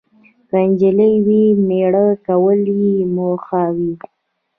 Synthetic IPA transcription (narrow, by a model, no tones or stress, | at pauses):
kand͡ʒələjwimeɽəkawəlimoxawi